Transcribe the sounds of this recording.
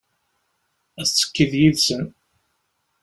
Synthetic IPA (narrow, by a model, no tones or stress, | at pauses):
æθt͡sːə̥kːiðjiðsən